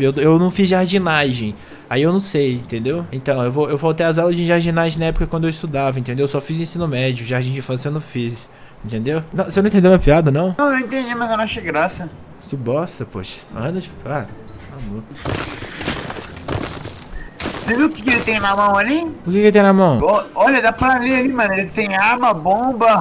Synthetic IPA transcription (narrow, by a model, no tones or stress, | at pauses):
ew̪ewnɐ̃w̃fizʒaɾd͡ʒinaʒẽj̃ | aiewnɐ̃w̃sejẽnt̪ẽnd̪ewẽt̪ɐ̃w̃ewvoewawt̪ejazawlɐzd͡ʒɪĩʒaɾd͡ʒinaʒẽj̃nɐɛpʊ̥kɐkwɐ̃d̪ewist̪ud̪avɐẽt̪ẽd̪ewewsɔfizĩsĩnʊmɛd͡ʒiʊʒaɾd͡ʒĩd͡ʒɪĩfɐ̃sewnɐ̃w̃fis | ẽnt̪ẽnd̪ewnɐ̃w̃sewnɐ̃t̪ẽd̪ewmewɐpiad̪ɐnɐ̃w̃ɐ̃w̃ewĩnt̪ẽd͡ʒimɐjzewnɐ̃ʃejɡɾasɐ | sɪbɔst̪ɐpo̰ʃɐ̥ɐ̃d̪ɐt͡ʃipiad̪ɐ | mamo | seveʊkɪkɪelɪt̪ẽj̃namɐ̃w̃aliʊkɪkelɪt̪ẽj̃namɐ̃w̃ɔɔʎɐd̪aplanialimɐ̃nʊelɪt̪ẽj̃amɐbõbɐ